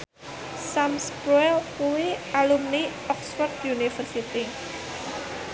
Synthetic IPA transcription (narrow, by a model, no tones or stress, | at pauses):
samspɾuɛlpueʔalumniʔɔksfɔrt̪junifərsit̪i